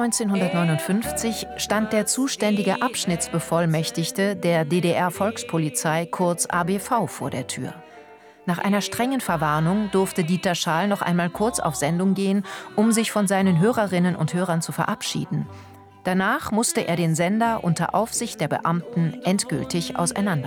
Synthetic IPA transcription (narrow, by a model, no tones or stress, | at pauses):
nɔʏnt͡seːnɦʊndɐtnɔʏnʊntfʏnft͡sɪçʃtant̚d̥eːɐt͡suːʃtɛndɪɡəʔapʃnɪt͡sb̥əfɔlmɛçtɪçtədeːɐdeːdeʔɛɐfɔlkspʰolit͡saɪkʰʊɐt͡sʔa̰ːbeːfaʊfoːɐdeːɐtʰy̰ːɐ | naːχʔa̰ɪnɐʃtʁ̥ɛŋənfɛɐvaɐnʊŋdʊɐftədiːtɐʃaːlnɔχʔa̰ɪnmaːlkʰʊɐt͡sa̰ʊfz̥ɛndʊŋɡeːənʔʊmzɪçfɔnzaɪnənɦøːʁɐʁɪnənʊ̰nthøːʁ̞ɐnt͡sufɛɐʔapʃḭːdn̩ | d̥anaːχmʊstəʔḛːɐɾeːnzɛndɐʔʊntɐ̰ʔaʊfz̥ɪçt̚d̥eːɐbə̰ʔamtn̩ʔɛntɡ̥ʏ̰ltɪçʔa̰ʊsa̰ɪnandɐ